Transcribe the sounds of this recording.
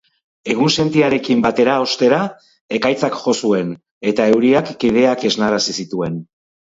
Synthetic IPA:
e̞ɣ̞unse̞nt̪iaɾe̞kimbat̪e̞ɾao̞st̪e̞ɾa | e̞kajt͡sakʝo̞sue̞n | e̞t̪ae̞wɾiakːið̞e̞ake̞znaɾasisit̪ue̞n

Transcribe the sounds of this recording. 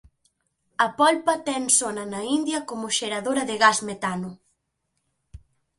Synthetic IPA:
ɐpɔlpɐt̪ɛŋsonɐnɐind̪jɐkomʊʃeɾaðoɾɐðɪɣasmet̪anʊ

